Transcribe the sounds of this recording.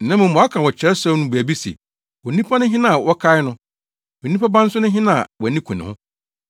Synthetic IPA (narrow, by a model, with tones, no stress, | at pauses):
nã˦mʊ̃˨m˦˨ɔ˨a˦kʰã˨wɔ˨t͡ɕʰɛ˨ɾɛ˦sɔ˦nʊ̃˦bu˨æ˨bi˦sɛ̰˨ | wɔ˨nĩ˦pʰa˦nʊ̃˦ɦɪ̃˦nã˦a˨wɔ˦kʰa˦ɪ˦nʊ̃˦ | wɔ˨nĩ˦pʰa˦bã˦n̩˦sʊ˦nʊ̃˦ɦɪ̃˦nã˦a̰˨wɔ˨nĩ˦kʰũ˨nɪ̰̃˨hʊ̰̃˦